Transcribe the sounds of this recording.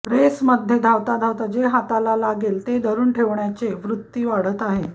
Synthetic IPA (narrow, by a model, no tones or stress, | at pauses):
pɾesməd̪ʱjed̪ʱaʋt̪ad̪ʱaʋt̪ad͡ʑeɦat̪alalaɡelt̪ed̪ʱəɾuːɳʈʰeʋɳjat͡seʋɾut̪ːiːʋaɽ̤ət̪aɦe